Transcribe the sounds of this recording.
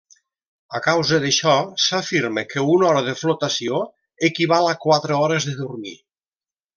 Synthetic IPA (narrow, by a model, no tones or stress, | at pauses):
əkawzəðəʃɔsafiɾməkəunɔɾəðəflut̪asio | əkiβalakwat̪ɾəɔɾəzðəðurmḭ